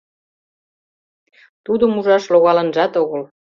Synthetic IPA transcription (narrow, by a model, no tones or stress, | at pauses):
t̪ud̪əmuʒɑʃloɣɑlə̆nʒɑt̪oɣəl